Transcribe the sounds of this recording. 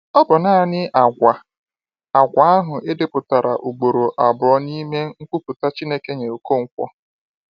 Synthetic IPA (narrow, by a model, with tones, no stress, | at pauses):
ɔ˦bʊ˨naː˦˨nɪ˦a˨ɡʷa˨ | a˨ɡʷa˨˦a˦ɦʊ˨ɪ˦dɪ˨pʊ˨ta˨ɾa̰˨ʔu˨ɡ͡bo˨ɾo˨ʔa˨bʊ˨ɾɔ˦ni˦me˦ŋ̩˦kʷu˦pʊ˨ta˦t͡ʃi˦ne˦ke˦ɲe˨o˨ko˦ŋ̩˦kʷɔ̰˦